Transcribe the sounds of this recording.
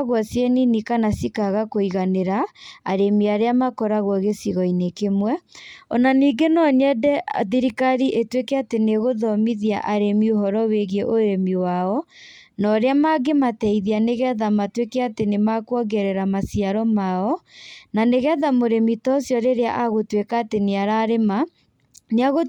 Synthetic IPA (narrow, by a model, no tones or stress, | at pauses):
ɣwɔsjeninikanasikaɣakoiɣaneɾaa̰ɾemiaɾeamakɔɾaɣwɔɣesiɣɔinekemwɛɔnaniːɡenɔɲɛdɛa̰ðiɾikaɾiʔetwekɛateneɣoðɔmiðia̰ʔaɾemioɦɔɾɔweɣeʔoɾemiwaɔ | nɔɾeamaɡematɛiðianeɣɛðamatwekɛatenemakwɔɡɛɾɛɾamasiaɾɔmaɔnaneɣɛðamoɾemitɔsjɔɾeɾea̰ʔaɣotwekaːteneaɾaɾema | neaɣo